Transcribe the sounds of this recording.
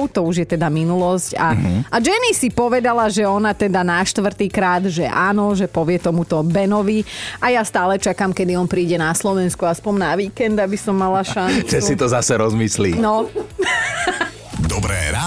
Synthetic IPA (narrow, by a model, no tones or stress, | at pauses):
ʊt̪ɔuʒjɛt̪ɛd̪aminulɔscaad͡ʒɛnisipɔʋɛd̪alaʒɛɔnat̪ɛd̪anaʃt̪ʋr̩t̪iːkɾaːd̪ʒɛʔaːnɔʒɛpɔʋɪɛt̪ɔmut̪ɔbɛnɔʋiajast̪aːlɛt͡ʃakamkɛd̪iɔnpɾiːɟɛnaslɔʋɛnskuaspɔnnaʋiːkɛnd̪abisɔmːalaʃanʒɛsit̪ɔzasɛɾɔzmislḭnɔ | d̪ɔbɾɛ̰ːa